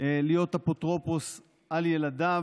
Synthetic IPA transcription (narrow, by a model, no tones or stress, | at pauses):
elijo̞tapot̪ʁo̞pos | aljelada